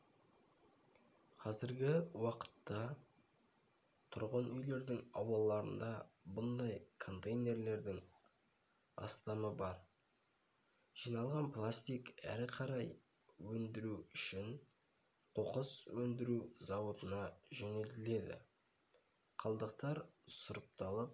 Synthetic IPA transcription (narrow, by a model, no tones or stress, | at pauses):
qʰɑzɪɾɡʲɪwɑqə̥t̪ːɑ | t̪ʰʊɾʁənʏjle̞ɾd̪ɪŋɑwɑlˠɑɾənd̪ɑbʊnd̪ɑjkʰo̞nt̪ejne̞ɾle̞ɾd̪ɪŋ | ɑ̰st̪ɑməbɑɾ | ʒ̥ijnɑlˠʁɑnplˠast̪ijkæ̰ɾɪqʰɑɾɑj | wɵnd̪ɪɾuʏʃɪŋ | qʰo̞qəswɵnd̪ɪɾuzɑwət̪ənɑʒɵnelt̪ɪle̞d̪ɪ̰ | qʰɑlˠd̪əq̚t̪ɑɾsʊɾəp̚t̪ɑlˠəp̚